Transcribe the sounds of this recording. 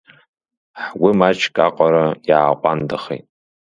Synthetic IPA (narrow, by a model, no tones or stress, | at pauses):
ħwimat͡ʃʰkʼaqʼaɾajaːqʷʼandaχḛjtʼ